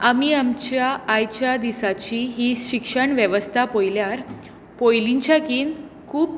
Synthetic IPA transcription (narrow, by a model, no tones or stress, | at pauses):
amiamt͡ɕjaːjt͡ɕjad̪isat͡ɕiɦiɕikʂəɳʋjeʋəst̪ʰapojljaɾ | pojliɲt͡ɕjakiːn | kʰuːb